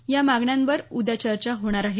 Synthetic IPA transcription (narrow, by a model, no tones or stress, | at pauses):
jamaɡɳjanʋəɾud̪at͡ɕəɾt͡ɕaɦoɽ̃aɾaɦe